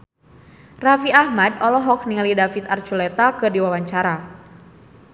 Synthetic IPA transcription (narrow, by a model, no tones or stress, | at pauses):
rafiahmadɔlɔɦɔk̚niŋalidafit̪art͡ʃulɛt̪akɨrdiwawaɲt͡ʃaɾa